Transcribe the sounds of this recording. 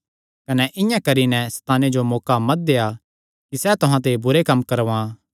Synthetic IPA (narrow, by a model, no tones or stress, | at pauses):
kɐnɛʔɪjãkɐɾinɛst̪aːned͡ʒomɔːkamɐt̪̚d̪eːa | kisɛt̪ʊɦãt̪̬ebʊɾekɐmːkɐɾʋã